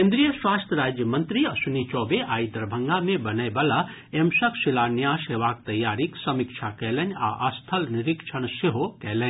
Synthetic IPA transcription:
kẽnd̪ɾijəswaːst̪ʰəɾaːd͡ʒjəmɐ̃nt̪ɾiɐsunit͡ʃɔːbeʔaːid̪ɐɾbʱɐ̃ŋɡamẽbɐnəjbɐla | emsɐkʰsɪlaːnjaːsɦeʋaːk̚t̪ɐjːaːɾiksɐmikʃʰakɛːlɐnʲa̰ʔəst̪ʰɐlnɪɾikʃʰɐɽ̃seɦokɛːlɛ

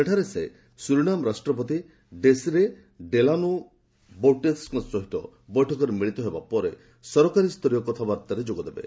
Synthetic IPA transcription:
eʈʰaɾese | suɾuɽ̃amɾasʈɾɔpɔt̪̬i | ɖesiɾe | ɖelanu | bowʈeskɔt͡ʃɔɦiʈɔ̰ | bɔjʈʰɔkɔɾemiɭit̪ɔɦebapɔɾe | sɔɾɔkaɾist̪ʰɔɾijɔkɔt̪ʰabaɾt̪aɾed͡ʒoɡɔd̪ebḛ

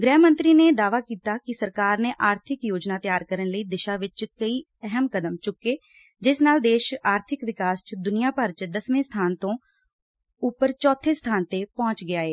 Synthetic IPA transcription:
ɡɾɛːɦmə̃nt̪ɾiːneːd̪aːʋaːkiːt̪aːkɪsəɾkaːɾneːʔaːɾt̪ʰɪkjoːd͡ʒnaːt̪ɪjaːɾkəɾənləiːd̪ɪʃaːʋɪt͡ʃkəiː | ɛɦəmkəd̪əmt͡ʃʊkːeː | d͡ʒɪsnaːld̪eːʃaːɾt̪ʰɪkʋɪkaːst͡ʃd̪ʊnɪjaːpəɾt͡ʃd̪əsmẽːst̪ʰaːnt̪õː | ʊpːəɾt͡ʃɔːt̪ʰːeːst̪ʰaːnt̪eːpɔ̃ːt͡ʃɡɪaːeː

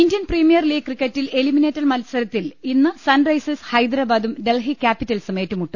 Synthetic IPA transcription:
indijɐnprimijɐrliːɡ̚krikːetːile̞limineːtːɐrmɐlsɐɾɐt̪ːilinːɨsɐnrɐjseshɐjd̪ɾaːbaːd̪umɖe̞lɦikʲːaːpitːɐlsɨmeːtːumuʈːu

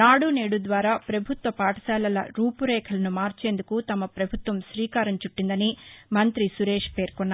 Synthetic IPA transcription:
naːɽuneːɽud̪ʋaːɾaːpɾɐbʱut̪ʋɐpaːʈɐ̥sɛːlɐlɐ̰ɾuːpuɾɛːkʰɐlɐnumaːɾt͡ʃeːnd̪ukut̪ɐmɐpɾɐbʱut̪ʋɐmʃɾiːkaːɾɐɲt͡ʃuʈːind̪ɐnimɐnt̪ɾisuɾeːʂpe̞ːɾkɔnːa

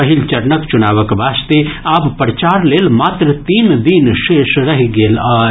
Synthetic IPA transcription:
ɐɦilt͡ʃɐɾnəkt͡ʃʊnaːʋəkʋaːst̪eaːbpɾt͡ʃaːɾleːlmaːt̪ɾət̪iːnd̪iːnʃeːʃɾɐɦiɡeːlaː

